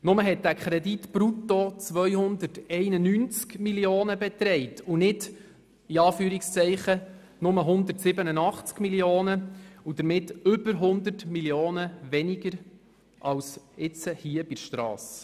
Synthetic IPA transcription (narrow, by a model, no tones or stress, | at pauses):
nʊməɦɛt̚d̥ækʰɾɛditb̥ɾutot͡sʋœjhʊnd̪ətɛɪnənyːnt͡skmiljoːnəbɛt̪ɾɛɪtunɪd | iɑːfyːɾikst͡sɛɪχə | nʊməɦʊnd̪ətsɪbənənɑχt͡skmiljoːnəud̥̪əɾmɪtʏbəɾɦʊndətmiljoːnəʋɛniɡəɾ | ʔɑwsɪt͡səhiəb̥ɪʃtɾɑ̰ːs